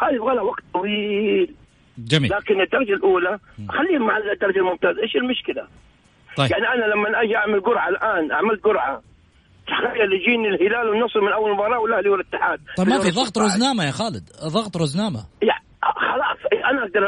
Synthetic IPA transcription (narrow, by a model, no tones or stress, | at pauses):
haːjɪbɣaːlhawaɡt̪̚t̪ˤɑwiːl | d͡ʒamiːlaːkɪnɪd̪ːɑɾˤɑd͡ʒalʔuːlaʔxalːiːhʊmːaʕalːd̪ːɑɾˤɑd͡ʒalmʊmt̪aːzʔeːʃɪlmʊʃkɪlaˤ | ɑjaʕniʔanalamːanʔad͡ʒiʔaʕmalɡʊɾʕalʔaːnʔa̰ʕmalt̪̚ɡʊɾʕa̰ | t̪aħɣajːalɪd͡ʒiːnɪlhɪlaːlwɪnːʊsˤmɪnʔawːallmɑɾˤɑːwɪlːʔahliwɪlɪt̪ːɪħaːd̪̚ˤɑmmafiðˤɑɣt̪ˤɾʊznaːmajaxaːlɪd̪ðˤɑɣt̪ˤɾˤʊznaːmaja | xɑlɑːsˤʔanaʔaɡ̚d̪ɑɾˤʔ